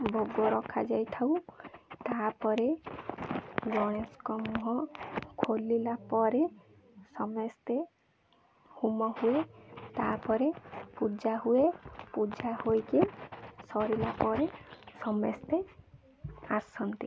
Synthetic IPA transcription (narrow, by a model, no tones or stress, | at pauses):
bʱɔɡɔɾɔkʰad͡ʒajt̪ʰaw̃t̪apɔɾe | ɡɔɽ̃eskɔmuɦɔ̃kʰolːilapɔɾe | sɔmest̪e | humɔhuet̪apɔɾepud͡ʒaɦuepud͡ʒahojkisɔɾilapɔɾesɔmest̪e | asɔnt̪i